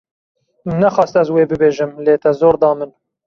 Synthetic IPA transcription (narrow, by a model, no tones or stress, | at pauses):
nɛxɑːst̪æzweːbɨbeːʒɨmleːt̪ɛzoːɾd̪ɑːmɨn